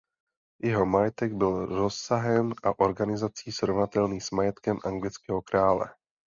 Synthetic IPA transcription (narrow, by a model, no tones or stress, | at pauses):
jɛɦo̞majɛt̪ɛɡbɪlɾo̞ssaɦɛmʔaʔo̞ɾɡanɪzat͡siːsɾovnat̪ɛlniːsmajɛt̪kɛmʔaŋɡlɪt͡skɛːɦo̞kɾaːlɛ̰